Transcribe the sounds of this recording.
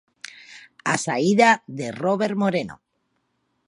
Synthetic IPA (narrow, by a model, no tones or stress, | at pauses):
asaiðaðe̞roβe̞ɾmo̞ɾe̞no̰